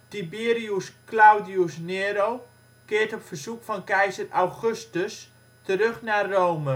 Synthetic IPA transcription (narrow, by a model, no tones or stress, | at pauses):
tibiːriusklawdiusneːɾow | kɪərtɔpfərsukfɔnkɛjzərawχøstəs | təɾøxnarowmə